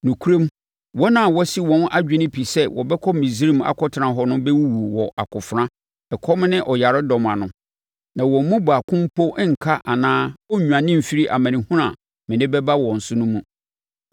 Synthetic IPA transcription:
nũ˨kʰu˦ɾẽ˦m | wɔ˦nã˨wɔ˦si˦wɔ̃˦na˦d͡ʑᶣɪ˦nɪ̃˦pʰi˨sɛ˦wɔ̰˨bɛ˦kʰɔ˦mĩ˨zi˦ɾĩ˦ma̰˨kʰɔ˦tʰɪ˨ɾã˨ɦɔ˦nʊ̃˦bɛ˦wu˦wu˨wɔ˨ʔa˨kʰʊ˨fɾã˦ | ɛ˨kʰɔ˦m˦nɪ̃˦ʔɔ˨ja˨ɾɪ˦dɔ˨mã˨nʊ̃˨ | nã˨wɔ̃˨m̩˦mũ˦ba˨kʰʊ̃˦m˦pʰo˦ŋ̩˨kʰa˦ʔa˨nãː˦ɔ˦ɲᶣũ˨ã˨nɪ̃˦m̩˨fi˦ɾi˦ʔa̰˨mã˨nĩ˨hũ˦ɾã˨ | mɪ̃˨nɪ̃˦bɛ˦ba˦wɔ̃˨n̩˨sʊ˦nʊ̃˦mũ˦

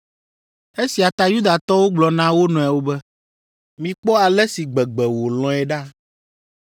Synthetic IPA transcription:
e˦si˨a˨t̪a˦ju˦d̪a˨t̪ɔ˦wo˦ɡ͡blɔ˨nã˦wo˦nɔ̃˨a˨wo˦bɛ˦ | mĩ˨k͡pɔ˦a˨lɛ˦si˨ɡ͡bɛ˨ɡ͡bɛ˨wo˨lɔ̃˨˦ɛ˨ɖa˦

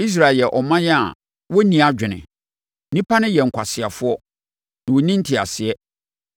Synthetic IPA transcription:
i˦s̬ɾa˨ɛ˨jɛ˨ʔɔ˨mã˦jɛ˦a̰˨ | wɔ˦nĩ˨a˨d͡ʑᶣɪ˨nɪ̰̃˨ | nĩ˦pa˦nɪ̃˦jɛ˨ŋ̩˨kʰʷa˨sɪ˨a˨fʊ˦ɔ˦ | nã˨wo˨nĩ˦n̩˦tʰɪ˨a̰˨sɪ˨ɛ˦

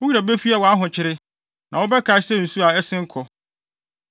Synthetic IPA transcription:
wʊ˦i˦a˨bɛ˦fi˦a˨wɔ˨a˦ɦʊ̃˨t͡ɕʰɪ˦ɾɪ˦ | nã˨wʊ˦bɛ˦kʰa˨ɪ˦sɛ˦˨n̩˨su˦a˨ɛ˦sɪ̃˦ŋ̩˦kʰɔ˨

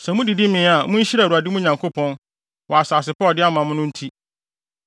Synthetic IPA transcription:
sɛ˨mʊ̃˦di˨dɪ˦mɪ̃˦a˨mʊ̃˦ɕi˦ɾa˨ɾu˨a˨dɪ˦mʊ̃˦ɲã˨ŋkʰo˦pʰɔ̃˦n | wɔ˨a˨saː˨s̬ɪ˨pʰɔ˦˨dɪ˦a˦mã˨mʊ̃˦nʊ̃˦n̩˦tʰi˦

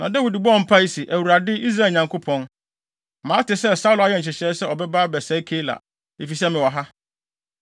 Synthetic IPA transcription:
nã˨dɛ˦wi˨di˨bɔ̃˦˨m̩˦pʰa˦i˦si˨ʔæ˨wu˨ɾa˨dɪ˦i˦s̬ɾa˦˨lɲã˨ŋkʰo˦pʰɔ̃˦n˨ | mãː˨˦tɪ˨sɛ˦sa˦u˦lʊ˨a˨jɛ˦ɲ̩˨t͡ɕʰɪ˨ɕɛ˦sɛ˦ɔ˨bɛ˦baː˦bɛ˨sɛ˨˦i˦kʰe˦la̰˨ | e˨fi˨sɛ˦mɪ̃˨wɔ˨ɦa˦

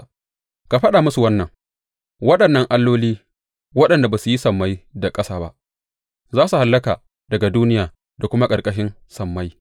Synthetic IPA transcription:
ka˨ɸɐ˦ɗa˨mʊ˦su˨wɐ˦nːɐ˨ŋ | wɐ˦ɗɐ˨nːɐ˦ŋʔa˦lːoː˦liː˦ | wɐ˦ɗɐ˨nda˨ba˨su˨ji˦sɐ˨mːa˦jda˨kʼɐ˦saː˨ba̰˦ʔ | zaː˦su˨ha˨lːɐ˦kaː˨ | dɐ˨ɡa˨duː˦nɪ˦jaː˨ | da˨kʷʊ˦ma˦kʼɐ˨rkʼɐ˦ʃ̬ɪ˦n | sɐ˨mːa˦j

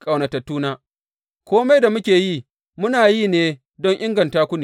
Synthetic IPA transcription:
kʼa˨wnɐ˨tɐ˨tːuː˦naː˦ | kʷoː˦ma˦jda˨mʊ˦kʲeː˨jiː˦˨ | mʊ˦naː˨jiː˦˨neː˦ | dɔ˦ŋʔɪ˦ŋɡɐ˨ntaː˦kʷʊ˦niː˨

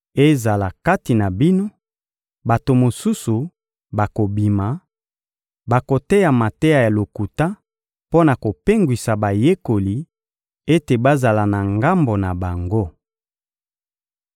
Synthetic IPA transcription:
e˦za˨la˨ka˦ti˨na˨bi˦no˦ | ba˨to˨mo˨su˦su˨ | ba˨ko˨bi˨ma˨ | ba˨ko˨te˦ja˨ma˨te˦ja˨ja˨lo˨ku˨ta˦ | po˦na˨ko˨pe˦ŋɡwi˨sa˨ba˨je˦ko˨li˨ | e˦te˨ba˦za˨la˨na˨ŋɡa˦mbo˨na˨ba˨ŋɡo˦

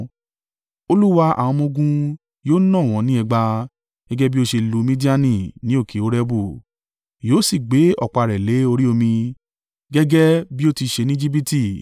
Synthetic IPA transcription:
o˧lu˦wa˧a̰˨w̃ɔ̃˧mõ˧ɡũ˧ | joː˦nɔ̃˦˨w̃ɔ̃˨˦nĩ˦ɛ˧ɡ͡ba˧ | ɡ̥ɛ˦ɡɛ˦bi˦o˧ʃe˧lu˨˧˦mĩ˦di˦a˦nĩ˦˨nĩ˨˦o˦˨kʰe˨˦o˦ɾɛ˦bu˦˨ | joː˦si˦˨ɡ͡be˨˦ɔ˦˨k͡pa˨ɾɛ˨le˨˦o˧ɾi˦o˧mĩ˧ | ɡɛ˦ɡɛ˦bi˦o˦˧ti˧ʃe˧nĩ˦d͡ʒi˦bi˦ti˦˨

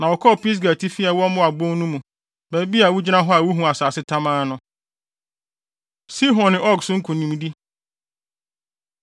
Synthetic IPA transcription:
nã˨ɔ˨kʰɔ˦˨pi˦s̬ɡa˨tʰi˦fi˦a˨wɔ˦mʊ̃˦a˨bõ˦nũ˦mũ˨ | bæ˨bi˦a˨wu˦d͡ʑi˦nã˦ɦɔ˦a˨wu˦ɦũ˨a˨saː˨sɪ˦tʰa˦mãː˦nʊ̃˦ | si˦ɦɔ̃˨n˨ɔ˦ɡsʊ˦ŋ̩˦kʰũ˨nĩ˨m˦di˦

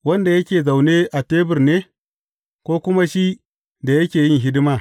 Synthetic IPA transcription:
wɐ˦nda˨jɐ˦kʲeː˨za˨wne˦ʔa˨teː˦bɪ˨rneː˦ | kʷoː˦kʷʊ˦ma˦ʃi˦ | da˨jɐ˦kʲeː˨jɪ˦ŋɦɪ˦dɪ˦maː˦

